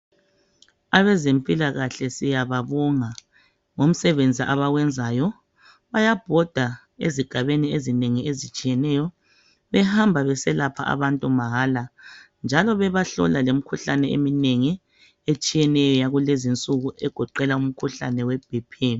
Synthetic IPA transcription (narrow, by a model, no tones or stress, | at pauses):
aβɛzempʼilaɣaɬɛsijaβaβɔŋa | ŋom̩sɛβend͡zʱiʔaβaɣwɛnd͡zʱaːjɔ | βajab̥ʱɔd̥ʱa | ḛziɡ̥ʱaβeniezineŋiezit͡ʃʼijɛnɛjɔ | βɛhambʱaβɛsɛlapʰa̰ʔa̰βantʼumaɦaːla | nd͡ʒʱalɔβɛβaɬɔ̰lalemikʰuɬanɛḛmineŋi | et͡ʃʼijɛnɛjɔjaɣulezint͡sʼuɣuʔɛɡ̥ʱɔǃɛlaum̩kʰuɬa̰nɛwɛb̥̚ʱipʰi